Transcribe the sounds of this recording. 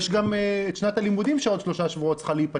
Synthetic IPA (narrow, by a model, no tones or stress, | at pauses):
ʃɡameʃnat̪alimudimʃeo̞d̪ʃlo̞ʃaʃvuot̪̚t͡sχaleipa